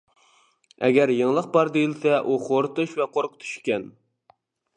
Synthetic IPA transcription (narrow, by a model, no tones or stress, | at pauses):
ɛ̰ɡʲɛɾjeŋlˠəq̚bɑɾd̪ejilsɛʔuχoɾt̪uʃvɛqʰoɾqʰʊ̥t̪ʰy̥ʃkʲɛn